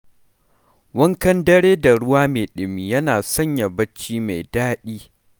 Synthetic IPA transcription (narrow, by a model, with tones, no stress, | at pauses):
wɐ˦ŋkɐ˦ndɐ˦ɽeː˦da˨ɽʊ˦waː˦meː˨ɗɪ˨miː˨jɐ˦naː˨sɐ˦ɲja˨bɐ˦t͡ʃːiː˦ma˨jdaː˦ɗiː˦